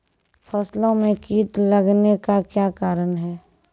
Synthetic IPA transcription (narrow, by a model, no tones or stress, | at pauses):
pʰɐːslõmẽkiːt̪ləɡnekakjaːkaːɾənɦɛː